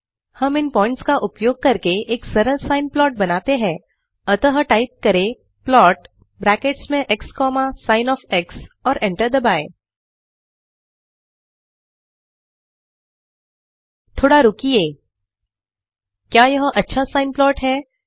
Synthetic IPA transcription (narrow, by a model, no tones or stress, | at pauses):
hɐmɪnpɔːɪ̃ɳʈskaʔʊpjoːɡ̚kɐɾkeeːksɐɾəɾsaːɪnplɔːʈ̚bɐnaːt̪eɦɛ̃ː | ɐt̪əɦʈaːɪp̚kɐɾe | plɔːʈ | bɾɛːkeːʈsmẽʔɛkskɔːmasaːɪnɔːfɛksɔːɾʔɛ̃ɳʈəɾd̪əbaːe | t̪ʰoːɽaɾʊkieː | kjaːjɐɦʔɐtːʃʰasaːɪnplɔːʈɦɛː